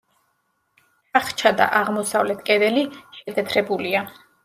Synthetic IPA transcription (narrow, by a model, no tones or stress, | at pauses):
t̪ʰaχt͡ʃʰad̪a̰ʔaʁmɔsavlɛt̪ʰkʼɛd̪ɛliʃɛd̪ɛt̪ʰɾɛbulia